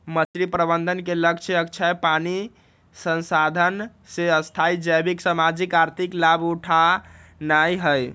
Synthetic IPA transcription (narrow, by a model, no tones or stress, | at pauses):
mət͡ʃɾipɾəbənd̪ʱənkeləkt͡ʃʰeək̚t͡ʃʰajpani | sə̃nsad̪ʱən | seəst̪ʰaid͡ʒəjbiksamad͡ʒikaɾt̪ʰiklabuʈʰanajɦəj